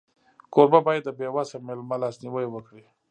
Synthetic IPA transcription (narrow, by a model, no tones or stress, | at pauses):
koɾbabɑjad̪ːəbewasamelmalɑsniwəjwəkɽi